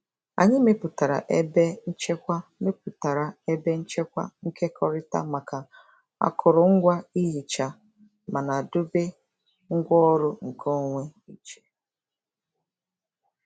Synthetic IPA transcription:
a̰˨ɲɪ˦me˦pʊ˨ta˨ɾa̰˨ʔe˦be˦n̩˦t͡ʃe˦kʷa˦me˦pʊ˨ta˨ɾa˨e˦be˦n̩˦t͡ʃe˦kʷa̰˦ŋ̩˦kʰe˦kʰɔ˦ɾɪ˦ta̰˦ma˨ka˨ | a̰˨kʰʊ˨ɾʊ˨ŋ̩˦ɡʷa˦i˦ɦi˨t͡ʃa˨ | ma˨na˨dʊ˦be˦ | ŋ̩˦ɡʷɔ˦ɾʊ˦ŋ̩˨kʰɔ˦ŋʷe˦i˨t͡ʃe̥˦

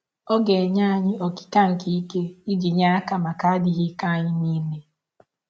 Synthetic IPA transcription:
o˦ɡe˨ɲa˦a˦ɲɪ˦o˨ki̥˨ka˦ŋ̩˨ki˦i˦ke˦i˦ɡi˨ɲa˦a˦ka˨ma˨ka˦a˦dɪ˦ɦi˦ka˦a˦ɲɪ˦niː˦me˦

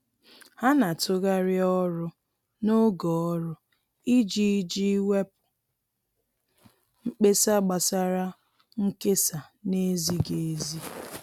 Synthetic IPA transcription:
ha˦na˨tʊ˦ɣa˦ɾɪ˦ɔ˦ɾʊ˦ | no˦ɡɔ˨ɔ˦ɾʊ˦ | i˦d͡ʒi˦d͡ʒi˦we˦pʊ̥˨ | ŋ͡m̩˦k͡pe˦sa˦ɡ͡ba˨sa˦ɾa˦ | ŋ̩˦ke˦sa˨ne˦zi˦ɡe˨e˦zi˦

